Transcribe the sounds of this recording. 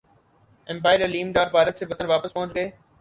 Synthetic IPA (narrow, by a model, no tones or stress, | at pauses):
ɛ̃mpaːɪəɾəliːmɖaːɾbʱaːɾət̪seːbɐt̪ənʋaːpəspɐ̃ɦʊ̃t͡ʃɡəeː